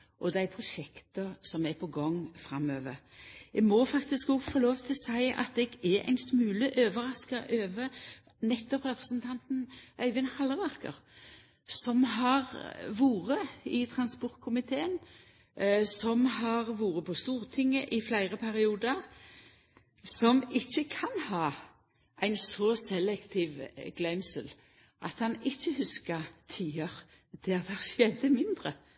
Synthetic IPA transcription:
ʔɔd̪æɪpʰɾʊʃɛkt̪əsɔmɛpʰɔɡɔŋːfɾɑmøːʋəɾjɛmɔfɑkt̪ɪskɔɡfoːloːʋt̪ʰɪlsæɪɑ̰t̪̚d̪ɛɡɛæ̰ɪnsmʉːləʔøːʋəɾɑskəʔøːʋə | nɛt̪ːɔpʁɛpɾəsn̩t̪ʰɑnt̪nʔœʏʋənhɑləʁɑʁkə̰ʁ | sɔmɦɑʁʋuːʁəɪt̪ʰɾɑnspɔʁt̪̚kʰʊmɪt̪ʰeːən | sɔmɦɑʁʋuːʁəpʰɔst̪uːʁt̪ʰɪŋːəʔɪflæɪʁəpʰæʁɪuːd̪əʁ | sɔmɪçːəkʰɑnhɑː | ʔæɪnsɔsɛlɛkt̪ʰiːʋɡ̥lɛmsəl | ʔɑt̪hɑnɪçːəhʉskəʁt̪ʰiːəʁ | d̪̥ʰɛɑt̪hɑʁʃeːd̪əmɪnd̪ʁə

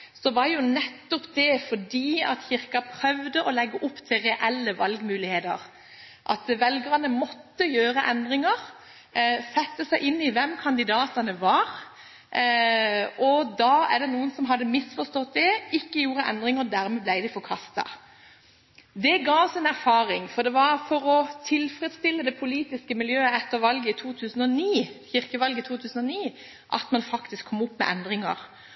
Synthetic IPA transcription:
sɔʋɑɾjʊnɛt̪ːɔpd̪ɛfɔɖdiːɑt̪çɪɾkɑpʰɾœʋd̪əʔɔlɛɡːəʔʊpːt̪ʰɪlɾɛʔɛlːəʋɑlɡmʉːlɪheːd̪ə̰ɾ | ʔɑ̰t̪ʋɛlɡəʁɑnəmɔt̪ːəjøːɾəʔɛnd̪ʁɪŋəɾ | sɛt̪ːəsæɪʔɪnːɪʋɛmkʰɑnd̪ɪd̪ɑːt̪ɑnəʋɑɾ | ɔd̪ɑːæ̰ʁd̪ɛnuːənsɔmɦɑd̪ːəmɪsfɔst̪ɔt̪̚d̪ɛɪkːəjuːɾəʔɛ̰nd̪ʁɪŋəd̪æɾmɛblæɪd̪ɪfɔɾkʰɑst̪ɑ̰ | d̪ɛɡɑːʋsɪnæɾfɑːɾɪŋfɔɾd̪ɛʋɑɾfɔɾɔt̪ʰɪlfɾɛd̪st̪ɪlːəd̪ɛpʰʊliːt̪ɪskəmɪljøːəɛt̪ːəʋɑlɡəɪt̪ʰuːt̪ʰʉːsən̩ɔniːçɪʁkəʋɑlɡəɪt̪ʰuːt̪ʰʉːsən̩ɔniː | ʔɑ̰t̪mɑnfɑkt̪ɪskʰːɔmːʊpːmɛ̰ʔɛnd̪ʁɪŋɑ̰ʁ

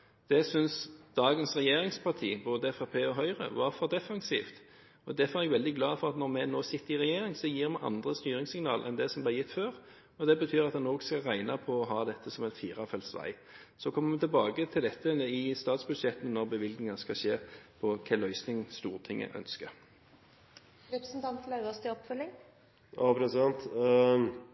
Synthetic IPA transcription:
d̪̥ɛsʏnsd̪̥ɑːɡənsʁɛjeːʁɪŋspʰɑʁt̪ʰḭːboːd̪əfɑpʰeːɔɦœʏʁə̰ʋɑʁfɔɾd̪ɛfɑnsḭːft̪ | ɔd̪æfɔʁɛɡʋɛld̪ɪɡlɑːfɔʁɑt̪nɔʁmɛnoːsɪt̪ːəɾɪʁɛjeːɾɪŋsɔjiːʁmɛʔɑ̰nd̪ʁəst̪yːʁɪŋsɪŋnɑ̰ːlʔɛ̰nd̪ɛsɔmblɛjɪt̪ːføːʁ | ɔd̪ɛbət̪ʰyːʁɑt̪̚d̪ɛnoːɡskɑʁæɪnɑpʰɔɔɦɑːd̪ɛt̪ʰːəsɔmɛt̪fiːʁɑfɛlsʋæ̰ɪ | sɔkʰɔmːəmɛt̪ʰɪlbɑːɡət̪ʰɪld̪ɛt̪ʰːəɪst̪ɑːt̪sbʉd̪ʃɛt̪ən̩nɔʁbəʋɪlɡnɪŋɑskɑʃeːpʰɔkʰɛlœʏsnɪŋst̪uːʁt̪ʰɪŋːə̰ʔœ̰nskə | ɾɛpɾəsnt̪ʰɑnt̪ːlɑʉɔst̪əɔpːfœlːɪŋ | ɑpɾɛsɑnt̪

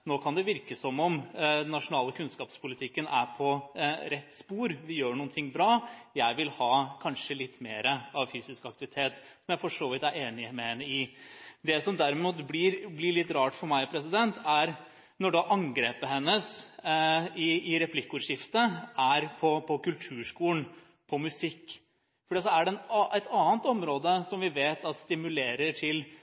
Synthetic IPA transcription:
noːkʰɑnd̪ɛʋɪɾkəsɔmːɔmd̪ɛnːɑʂʊnɑːləkʰʉnskɑːpspʰʊlɪt̪ʰɪkːənæ̰ɾpʰɔɾɛt̪ːspuːɾʋɪjøːɳuːənt̪ʰɪŋːbɾɑːjæɪʋɪlhɑːkʰɑnʂəlɪt̪ːmeːɾəɑʋfyːsɪskɑk̚t̪ɪʋɪt̪ʰeːt̪sɔmjæɪfɔʂoːʋɪt̪æɾeːnɪmɛhɛnːəɪd̪ɛsɔmd̪æɾmuːt̪blɪɾblɪɭɪt̪ːɾɑːʈfɔɾmæɪpʰɾɛsɪd̪ɛnt̪ʰæɾ | nɔɖɑʔɑŋɡɾeːpəhɛnːəs | ɪɪɾɛpʰlɪkːʊːɾʂɪft̪əæɾpʰɔpʰɔkʉlt̪ʰʉːʂkuːn | pʰɔmʉsɪkː | fɔɖiːt̪sɔæɖɛnʔɛt̪ʰɑːənt̪ɔmɾoːd̪əsɔmʋɪʋeːt̪ɑt̪st̪ɪmʉleːɾəʈʰɪl

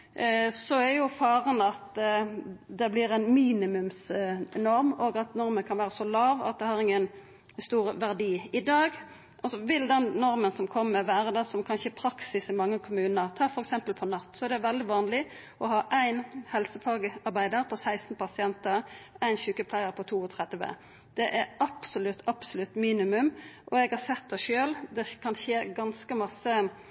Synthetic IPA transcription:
sɔæɾjʊfɑːɾənɑt̪ | d̪ɛblɪɾæɪnmiːnɪmʉmsnɔɾmɔːɡɑt̪nɔɾmənkʰɑnʋæːɾəsɔlɑːʋɑ̰t̪̚d̪ɛhɑʁɪŋːən | st̪uːʁʋæʁd̪iːɪd̪ɑːɡ | ʔɑlsɔʋɪld̪ɛnːɔɾmənsɔmkʰɔmːəʋæːɾəd̪ɛsɔmkʰɑnçəɛpʰɾɑksɪsɪmɑŋːəkʰʊmʉːnəʁt̪ʰɑːfɔɾɛksɛmpəlpʰɔnɑt̪ːsɔɛɾd̪ɛʋɛld̪ɪʋɑːnlɪ | ʔɔhɑːʔæɪnhɛlsəfɑːɡəɑʁbæɪd̪əɾpʰɔsæɪst̪n̩pʰɑsɪɛnt̪əʁæɪnçʉːkəpʰlæɪəʁpʰɔt̪ʰuːɔt̪ʰʁɛd̪ʋə̰ | d̪̥ɛʔæʔɑpsʊlʉt̪ːɑpsʊlʉt̪ːmiːnɪmʉmʔɔɛɡhɑsɛt̪̚ːd̪ɛɪʃøːld̪ɛkʰɑnçeːɡɑnskəmɑsːə

